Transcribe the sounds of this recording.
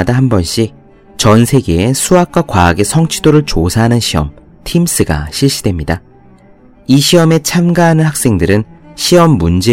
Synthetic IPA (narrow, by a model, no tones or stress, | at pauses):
daɦambʌnɕ͈i | t͡ɕʌnsʰe̞ɡe̞esʰuɦak̚k͈wakwaːɡe̞sʰʌŋt͡ɕʰidoɾɯɭt͡ɕosʰaɦanɯnɕʰiʌ̰m | tʰims͈ɯɡa̰ɕʰiɭɕ͈idwe̞mɲida | iɕʰiʌme̞t͡ɕʰamɡaɦanɯnhak̚s͈e̞ŋdɯɾɯnɕʰiʌmːund͡ʑe